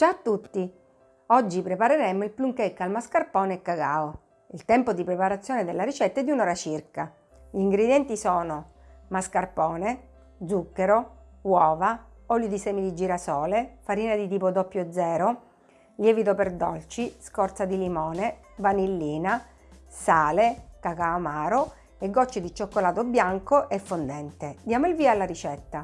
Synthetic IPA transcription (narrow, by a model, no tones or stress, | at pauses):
d͡ʒat̪ːut̪ːi | ɔd͡ʒːipɾepaɾeɾɛmoilpluŋkɛkːalmaskarpɔːneɛkːaɡa̰ːo | ilt̪ɛmpod̪ipɾepaɾat̪sːjoːned̪elːaɾit͡ʃɛt̪ːaɛd̪ːunɔːɾat͡ʃirka | ʎiiŋɡɾed̪jɛnt̪isɔːno | maskarpɔːne | d̪zukːeɾowɔːva | ɔljod̪isɛːmid̪id͡ʒiːɾasɔːlefaɾiːnad̪it̪iːpod̪ɔpːjod̪zɛːɾo | ljɛːvit̪operd̪ɔ̰lt͡ʃiskɔrt̪sad̪ilimɔːne | vanilːiːna | saːlekakaːmaːɾo | eɡːɔt͡ʃːed̪it͡ʃokːolaːt̪objaŋkoʔefːond̪ɛnt̪ed̪ːjaːmoilviːalːaɾit͡ʃɛt̪ːa